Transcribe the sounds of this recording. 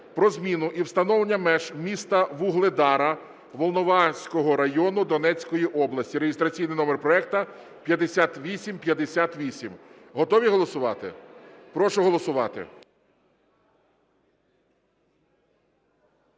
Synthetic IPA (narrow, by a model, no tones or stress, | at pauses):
pɾɔzmʲinʊʔiwst̪ɐnɔʋlˠenʲːɐmɛʒmʲist̪ɐʋuɦlˠed̪ɑɾɐ | ʋɔlˠnɔʋɑsʲkɔɦɔɾɐjɔnʊd̪ɔnɛt͡sʲkɔjiʔɔblˠɐsʲtʲiɾeɦist̪ɾɐt͡sʲijnɪjnɔmerpɾɔɛk̚t̪ɐ | pʲjɐd̪esʲat̪ʋʲisʲimpjɐd̪esʲat̪ʋʲisʲim | ɦɔt̪ɔʋʲiɦɔlˠɔsʊʋɑ̰t̪ɪ̰pɾɔʃʊɦɔlˠɔsʊʋɑ̰t̪ɪ̰